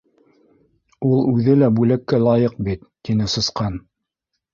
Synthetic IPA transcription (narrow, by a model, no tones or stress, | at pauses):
ulˠʉðɘlæbʉlækːælˠɑjɤq̚bit̪ːinɘsɤ̆sqɑn